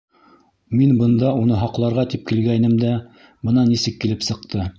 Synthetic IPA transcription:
minbɤ̆nd̪ɑunɤɦɑqlˠɑɾʁɑt̪ip̚kilɡænɘmd̪æ | bɤ̆nɑnisɘkːilɘpsɤ̆q̚t̪ʰɤ

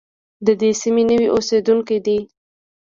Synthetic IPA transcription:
d̪əd̪esiminəwiʔosed̪uŋkid̪i

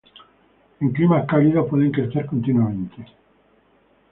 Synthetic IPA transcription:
eŋklimaehkaliðopweðeŋkɾeθeɾkont̪inwamẽnt̪e

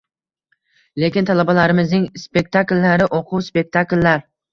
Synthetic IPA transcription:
le̞kʲɪnt̪ʰalˠabalaɾɪmɪznɪŋspe̞k̚ʲt̪ʰakʲlːaɾɪʔoqʰʊwspe̞k̚ʲt̪ʰakʲlːaɾ

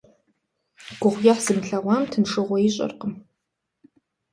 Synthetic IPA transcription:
ɡ̥ʷʊʁʷjɛħz̥ɨmɬɐʁʷɑːmtʰɨnʂɨʁʷɔjɪɕʼɐ̰rqəm

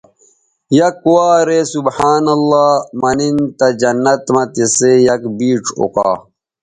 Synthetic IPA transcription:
jɐkːuwaːɾesubħaːnɐlːaːmɐnint̪ɐd͡ʑɐnːɐt̪mɐt̪esejɐkbiːʈ͡ʂʰo̰ka̰ː

